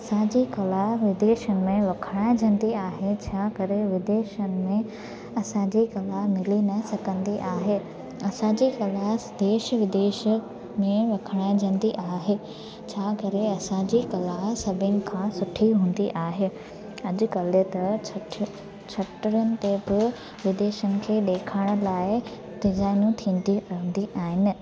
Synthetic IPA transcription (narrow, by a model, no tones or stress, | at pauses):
ɐsãd͡ʑikɐlaɦʋɪd̪eːʃənɪ̆mẽʋɐkʰəɽaːɪ̃d͡ʑʱɐ̃n̆d̪iaːɦet͡ɕʰaːkɐɾeʋɪd̪eːʃənɪ̆mẽ | ɐsãd͡ʑikɐlaɦmɪlinɐsɐkə̃nd̪iʔaːɦeː | ɐsãd͡ʑikɐlad̪eːʃʋɪd̪eːʃə | mẽʋɐkʰəɽ̃aːɪ̃d͡ʑʱɐ̃nd̪iʔaːɦeː | t͡ɕʰaːkɐɾeɐsãd͡ʑikɐlaɦsɐbʱɪnɪ̆kʰãːsʊʈʰiɦũːn̆d̪iʔaːɦeː | ɐʄʊ̆kɐlɪt̪ɐ | t͡ɕʰɐʈɾənɪ̆t̪ebɪ | ʋɪd̪eːʃənɪ̆kʰeːɗ̪eːkʰaːɪɽ̃̆laːɪ | t̪ɪzaːɪnũt̪ʰĩːnd̪ĩnd̪iʔaːɦɪnɪ̆